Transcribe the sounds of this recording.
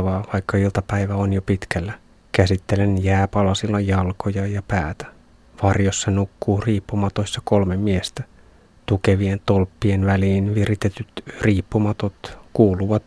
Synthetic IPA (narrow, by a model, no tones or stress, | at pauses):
ʋɑːʋɑikːɑilt̪ɑpæiʋæonjopit̪kælːæ | kæsit̪ːelenjæːpɑlɑsilːɑjɑlkojɑjɑpæːt̪æ̥ | ʋɑrjosːɑnukːuːriːpːumɑt̪osːɑko̞lmemmiest̪æ | t̪ukeʋient̪olpːienʋæliːnʋirit̪et̪yt̪riːpːumɑt̪ot̪kuːluʋɑt̪